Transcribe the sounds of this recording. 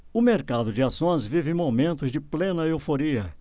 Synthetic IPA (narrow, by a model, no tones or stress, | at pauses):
ʊmeɾkad̪ʊd͡ʒɪasõj̃zvivɪẽj̃momẽnt̪ʊzd͡ʒɪplẽnɐewfoɾiɐ